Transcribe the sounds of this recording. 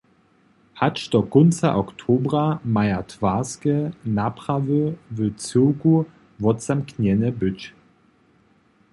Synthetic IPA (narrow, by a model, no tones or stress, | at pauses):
hat͡ʃd̪ɔkɔnt͡sa̰ʔɔktʰoːbʁamajatʰv̥aːskənapʁ̥avəvət͡sɪku | vɔtt͡samknjɛnəbʏt͡ɕ